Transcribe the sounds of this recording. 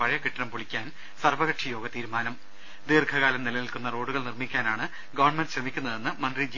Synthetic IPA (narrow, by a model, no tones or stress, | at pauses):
ɐɻɐjɐkiʈːɐnɐmpuɭikʲːaːn | sɐrʋɐɣɐʈʂijo̞ːɡɐt̪iːɾumaːnɐm | d̪iːrkʰɐɣaːlɐmnilɐnilkunːɐro̞ːɽuɣɐɭnirmikʲːaːnaːɳɨ | ɡɐʋɐrɳmendɕrɐmikʲːunːɐðe̞nːɨmɐndrid͡ʑi